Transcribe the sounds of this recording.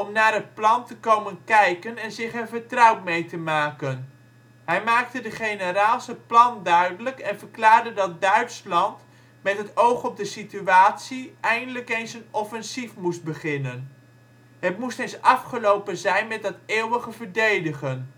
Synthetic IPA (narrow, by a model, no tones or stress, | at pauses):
ɔmnaːɹɦət̚plɑntəkowmənkɛjkənɛnzɪχənvəɹtrɑwtmejtəmaːkən | ɦɛjmaːk̚tədəχejnəɾaːlˠsəplɑndœɥdələkɛnvəɹklaːɹdədɑt̚dœɥtslɑnt | mɛtɦətowχɔb̚dəsityaːtsiɛjndələkejnsənɔfɛnsifmust̚bəχɪnən | ɦətmustensɑfχəlowpənzɛjnmɛt̚dɑteːwəχəvəɹdejdəχən